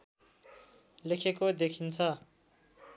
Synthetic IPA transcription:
lekʰekod̪ekʰint͡sʰʌ

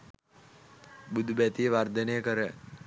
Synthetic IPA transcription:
bud̪ʱubæt̪ijəʋard̪ənejəkəɾə

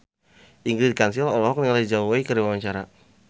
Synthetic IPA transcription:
ʔiŋɡɾidikansilɔlɔɦɔk̚nŋaladid͡ʒauwaikəɾiwawaɲt͡ʃaɾa

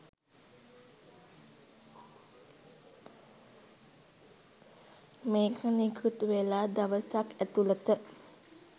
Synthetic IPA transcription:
mekʰanikʰut̪ʋelad̪aʋəsakɛt̪ulət̪ə

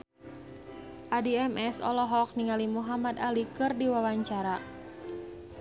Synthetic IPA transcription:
ʔadiɛmɛsɔ̰lɔɦɔk̚niŋalimuɦamad̪alikɨrdiwawaɲt͡ʃaɾa

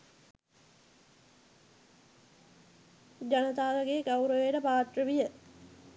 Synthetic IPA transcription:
d͡ʒanət̪aːʋəɡeːɡawɾoʋeʈəpaːt̪rəʋijə

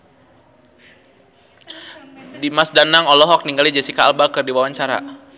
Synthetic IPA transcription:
dimasdanaŋɔlɔɦɔk̚niŋɡalid͡ʒasikaːlbakɨrdiwawaɲt͡ʃaɾa̰

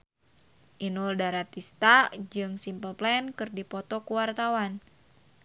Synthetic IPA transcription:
ʔinuldaɾat̪ist̪ad͡ʒɨŋsimpəlplɛnkɨrdipɔt̪ɔkuwart̪awan

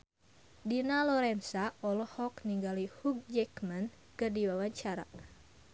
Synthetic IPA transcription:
dinalɔɾɛnsaʔɔlɔhɔkniŋɡalihuk̚d͡ʒɛkman | kədiwawaɲt͡ʃaɾa̰

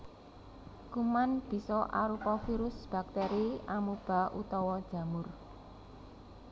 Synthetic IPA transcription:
kumanb̥i̤sɔʔa̰ɾupɔfiɾʊsb̥a̤k̚t̪eɾiamub̥a̤ʔut̪ɔwɔd̥ʒ̥ä̤mʊr

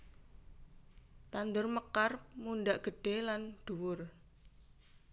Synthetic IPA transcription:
t̪and̪ʊrməkarmunɖaʔɡ̥ə̤ɖ̥e̤lanɖ̪̥ṳwʊr

